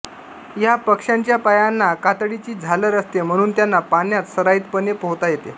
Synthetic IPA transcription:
japəkʂaɲt͡ɕjapajanːakat̪ɽit͡ɕiːd͡zʱaləɾəst̪em̤əɽ̃uːnt̪janːapanjat̪səɾaiːt̪pənepəɦt̪ajet̪e

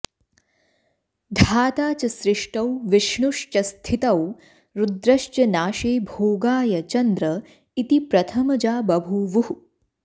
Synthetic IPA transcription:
d̪ʱaːt̪aːt͡ʃɐsɾɪʂʈɐwʋɪʃɳuʂt͡ʃɐst̪ʰit̪ɐw | ɾud̪ɾɐʃt͡ʃɐnaːʃeːbʱoːɡaːjɐt͡ʃɐnd̪ɾɐ | it̪ipɾɐt̪ʰɐmɐd͡ʒaːbɐbʱuʋuɦu

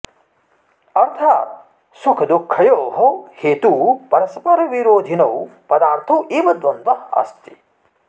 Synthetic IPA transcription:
ɐɾt̪ʰaːt̪ | sukʰɐd̪ukʰːɐjoːɦɐheːt̪uːpɐɾɐsɐpɐɾɐʋiɾoːd̪ʱinɐwpɐd̪aːɾt̪ʰɐwʔiːʋɐd̪ʋɐnd̪ʋɐɐ̰st̪i̥

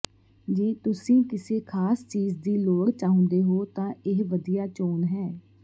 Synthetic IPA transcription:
d͡ʒẽːt̪ʊsĩːkɪseːkʰaːst͡ʃiːd͡ʒd̪iːloːkt͡ʃaːɦʊ̃nd̪eːɦoːt̪ãːʔɪɦʋəd̪ijaːt͡ʃoːnɦɛː

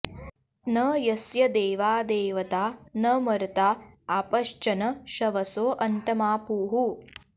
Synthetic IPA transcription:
nɐjɐsjɐd̪eːʋaːd̪eːʋɐt̪aːnɐmɐɾt̪aː | apɐʃt͡ʃɐnɐʃɐʋɐsoːʔɐnʈɐmaːpuːɦu

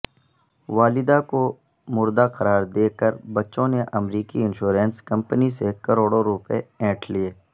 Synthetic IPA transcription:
ʋaːlɪd̪ako | mʊɾd̪aqɐɾaːɾd̪eːkəɾbɐtːʃõneʔɐmɾiːkiɪ̃nʃuːɾẽːnskɐ̃mpənisekɐɾoːɽoɾupeɛ̃ːʈʰlieː

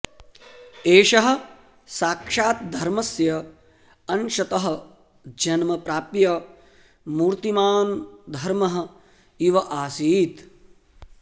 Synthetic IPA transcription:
eːʃɐɦɐ̆ | saːkʂaːt̪̚d̪ʱɐɾmɐsjɐ | ɐnʃɐt̪ɐɦɐ̆ | d͡ʒɐnmɐpɾaːpjɐ | muːɾt̪imaːnd̪ʱɐɾmɐɦɐ̆ | iʋɐʔaːsiːt̪

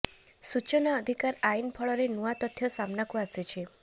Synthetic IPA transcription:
sut͡ʃɔnaəd̪ʱikaɾainpʰɔɭɔɾenuat̪ɔt̪ʰːjɔsamnakuaset͡ʃʰi

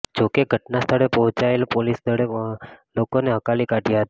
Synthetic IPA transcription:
d͡ʒokeɡʱəʈnast̪ʰəɽepəɦʊ̃t͡ʃaelpolisd̪ʱəɽelokoneɦəkalikaʈijaɦət̪a

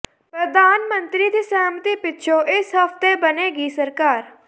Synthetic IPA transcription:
pɾəd̪ʱaːnmə̃nt̪ɾid̪iːsaːmt̪ipɪtːʃʰoʔɪsɦəft̪ebəneːɡiːsəɾkaːɾ

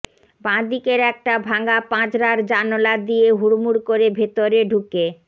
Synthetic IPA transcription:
bãd̪ikeɾɛk̚ʈabʱaŋɡapãt͡ɕɾaɾd͡ʑanolad̪ijeɦuɾmuɾkoɾebʱet̪oɾeɖʱuke

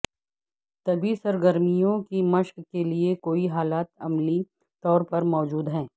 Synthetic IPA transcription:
t̪ɐbʱisɐɾɡəɾmijõkimɐʃkkeliekoːiɦaːlaːt̪ɐmli | t̪ɔːɾpɐɾmɔːd͡ʒuːd̪ɦɛ̃ː

